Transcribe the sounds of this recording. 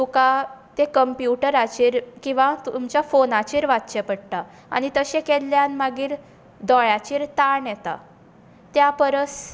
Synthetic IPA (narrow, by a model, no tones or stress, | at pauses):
t̪ukat̪ẽkəmpjuʈəɾat͡ɕiːɾkĩw̃ʋat̪uumt͡ɕjafonat͡ɕiːɾʋatt͡ɕepəɽt̪a | a̰ñit̪əɕẽkɛlːjanmaɡiːɾ | d̪ɔɭat͡ɕiːɾt̪aɳjɛt̪a̰ | t̪japəɾəs